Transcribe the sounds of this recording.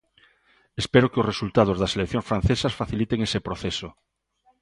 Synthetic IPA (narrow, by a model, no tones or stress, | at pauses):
espeɾokɪosresult̪að̞ozðɐselekθjõŋsfɾãn̟θesɐsfaθilit̪eŋesepɾoθeso